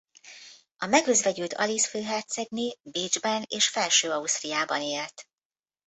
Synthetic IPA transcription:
ɒmɛɡøzvɛɟylt̪ʰɒ̰lisføːɦɛrt̪sɛɡnibeːd͡ʒbɛneːʃfɛlʃøːɒust̪rijaːbɒneːlt̪

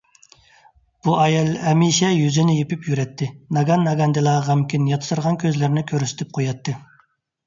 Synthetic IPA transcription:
b̥uʔɑjɑlˠɛmiʃɛjyzɪnɪjepypʰjyɾɛt̪ʰːɪnɑɡɑnːɑɡɑnd̪ɨlˠɑʁɑmkʲʰinjɑt̪ʰɨ̥t̪ʰɨɾʁɑnkʲʰøzlɪɾnɪkʲʰøɾysɪ̥t̪ʰɪp̚qʰojɑt̪ʰːɨ

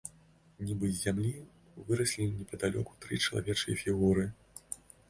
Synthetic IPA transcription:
nʲibɨzʲːamlʲi | vɨɾɐsʲlʲinʲɛpɐd̪alʲɔ̰ku̥t̪ɾɨt͡ʂɐlˠa̰vʲɛt͡ʂɨjɐ̰fʲiɣuɾɨ

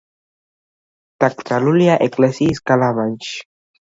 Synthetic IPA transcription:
t̪ak̚t͡saluljaʔeklesiskalamant͡ʃ

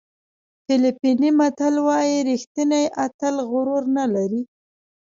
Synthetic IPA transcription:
fɪlipinimat̪alwɑjiɾixt̪inajʔat̪əlɣʊɾoɾnalaɾi

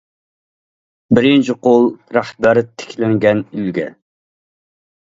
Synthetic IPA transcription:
bɪɾint͡ʃʰiqʰolˠɾæhbæɾt̪ʰe̥kʲʰlɪŋɡʲɛnylɡʲɛ̰

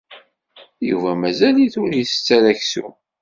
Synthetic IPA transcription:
jṵvæmæzæliθʊɾjiθt͡sːælæçsṵ

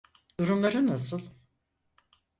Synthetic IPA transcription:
d̪̥uɾumlˠaɾɯnasɯlˠ

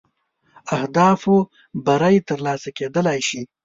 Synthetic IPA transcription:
ahd̪ɑfo | baɾajt̪əɾlɑsaked̪əlajʃi

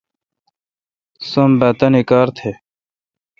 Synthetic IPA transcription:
sombɐt̪ɐnikaːɾt̪ʰe

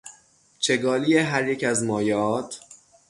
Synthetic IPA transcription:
t͡ʃʰe̞ɡɒːlijeɦæɾjecʰæzmɒːjeɒːt̪ʰ

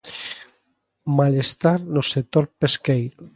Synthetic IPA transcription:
malest̪aɾnoset̪oɾpeskejɾ

